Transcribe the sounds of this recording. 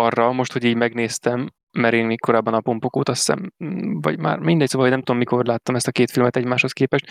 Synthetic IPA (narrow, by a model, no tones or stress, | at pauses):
ɒrːɒmo̞ʃt̪ho̞ɟiːɟmɛɡneːst̪ɛmː | ɛɾeːnmeːkko̞ɾaːbːɒnɒpo̞mpokoːt̪ɒsːɛ̰mvɒ̰ɟma̰ːrmind̪ɛɟ̚soːvlɦɟnɛmt̪ud̪omːiko̞rlaːt̪ːɒmɛst̪ɒkeːt̪filmɛt̪ɛɟmaːʃho̞skeːpɛʃt̪